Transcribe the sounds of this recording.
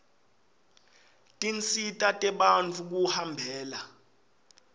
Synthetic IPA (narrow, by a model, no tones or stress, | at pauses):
tʼint͡sʰʼitʼatʼɛɓant͡fʰuk̬uhambʱɛːla